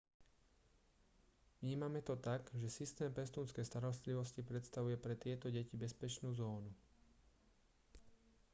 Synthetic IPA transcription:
ʋɲiːmamɛt̪ɔt̪aɡʒɛsist̪ɛːmpɛst̪uːnskɛjst̪aɾɔst̪liʋɔscipɾɛt̪st̪aʋujɛpɾɛt̪ɪɛt̪ɔɟɛcibɛspɛt͡ʃnuːzɔːnu

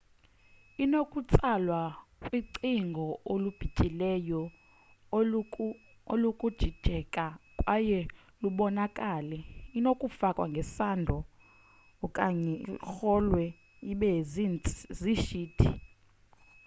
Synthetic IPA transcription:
inokʼut͡sʼalwakʼwiǀiŋɡʱɔolub̥ʱicʼilɛjɔ | olukʼud̥ʒ̥ʱid̥ʒ̥ʱɛkʼakʼwajɛ | luɓɔnakʼaːlɛinokʼufakʼwa̰ŋɡʱɛsandʱɔ | kʼaɲɛ̰xɔlwɛ | iɓɛzinziʃiːd̥ʰʱḭ

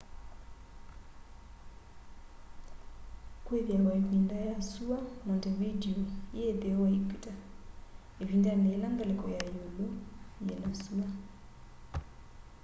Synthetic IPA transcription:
kwɛðjalwaivindajasuanɔndɛvidiɔiɛpɛwaikita | evindanɛːlaŋɡalɛkɔjajulujɛnasua

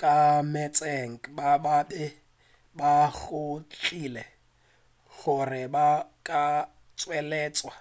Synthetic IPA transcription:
kʼamɛt͡sʼeŋ̩kʼbababɪ | baɣʊt͡ɬʰʼilɛ | ɣʊrɪbakʼa | t͡sʼwɛlɛːt͡sʼwa

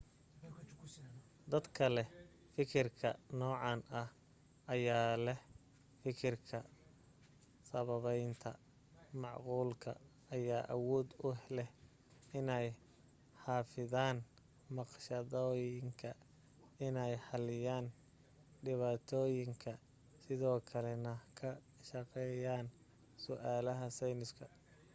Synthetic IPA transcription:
d̪ɐd̪kʰɐlɛ | fɪkʰɪrkʰɐnɔːʕɑnʔɐh | ʔɐjaːlɛh | fɪkʰɪrkʰɐ | sɐβɐβɛjnt̪ʰɐ | mɑʕquːlkʰɐ̰ | ɐjaːʔɐwɔːd̪ʊhlɛh | ɪnɛj | ħɑːfɪðaːn | mɑqʃɐðɔːjɪŋkʰɐ | ɪnɛjħɑlɪjaːn | ɖɪβaːt̪ʰɔːjɪŋkʰɐ | sɪðɔːkʰɐlɛnɐkʰɐ | ʃɐqɛːjaːn | sʊʔaːlɐɦɐsɛjnɪskʰɐ

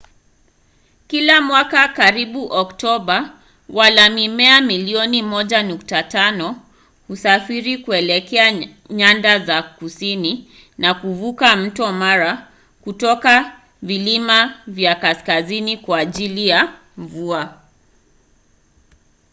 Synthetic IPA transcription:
kilamwakakaɾiɓuʔɔktɔɓa | walamimɛamiliɔnimɔʄanuk̚tatanɔ | husafiɾikuɛlɛkɛa | ɲandazakusini | nakuvukam̩tɔmaɾa | kutɔka | vilimavjakaskazinikwaːʄilija | ɱvua

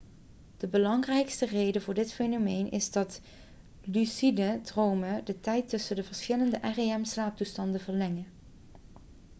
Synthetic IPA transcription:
d̥əbəlɑŋrɛjkstərejdəvʊːɹdɪtfejnomejnʔɪ̰zdɑt | lysidədrowmədətɛjtɵsəndəvəɹsxɪləndəʔɛreɛmslaːp̚tustɑndəvəɹlɛŋə

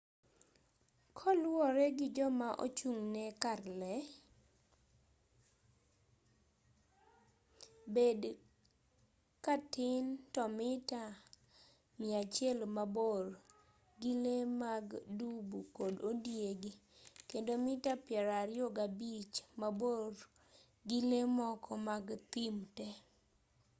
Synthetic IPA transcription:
kʰɔlwɔɾɛɡɪd͡ʒɔmaʔo̰t͡ʃuŋnɛkarlɛ | bed | katɪntɔmɪta | mɪat͡ʃjɛlmabor | ɡɪlemaɡdubukododjeɡikendomɪtapjɛɾaɾjoɡabit͡ʃmaboɾ | ɡɪlemɔkɔmaɡt̪ɪmtɛ

